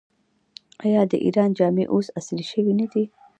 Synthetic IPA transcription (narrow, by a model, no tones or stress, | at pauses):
ajɑd̪ə̰ʔḭɾɑnd͡ʒɑːmeʔosasliʃəwinəd̪i